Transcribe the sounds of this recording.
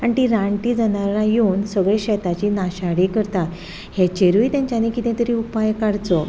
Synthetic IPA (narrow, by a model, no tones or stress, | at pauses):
aɳʈ̪iɾãɳʈiːd͡zanaɾajuːnsəɡɭeɕɛt̪at͡ɕiːnaɕaɽikəɾt̪a | het͡ɕeɾʋiːt̪jãɲt͡ɕjanekit̪ẽt̪əɾiːupajkaɽt͡so